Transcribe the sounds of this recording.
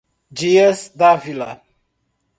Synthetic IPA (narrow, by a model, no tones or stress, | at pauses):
d͡ʒiɛsd̪avila